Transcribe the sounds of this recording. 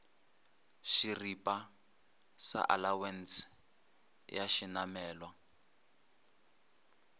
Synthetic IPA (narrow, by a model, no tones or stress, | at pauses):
ʃiripʼa | sa̰ʔalawɛns | jaʃinamɛːlwa